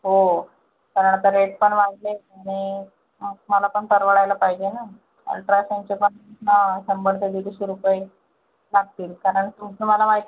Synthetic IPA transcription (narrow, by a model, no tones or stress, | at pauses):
ɦo | kaɾəɳat̪aɾeʈ̚pəɳʋaɡleaɽ̃i | məlapəɳt̪əɾʋəɭajlapaɦid͡ʑena | a̰lʈɾasaɲt͡ɕepəɳnasəmbʱəɽt̪ed̪id̪iɕeɾupəj | laɡ̚t̪iːlkaɾəɳt̪umkuməlamaɦit̪